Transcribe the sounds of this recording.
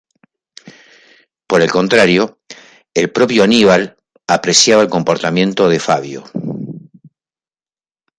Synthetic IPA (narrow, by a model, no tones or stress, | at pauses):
po̞ɾe̞lko̞nt̪ɾaɾjo | elpɾo̞pjoaniβal | apɾesjaβaelko̞mpo̞ɾt̪amjẽ̞nt̪o̞ðe̞faβjo̰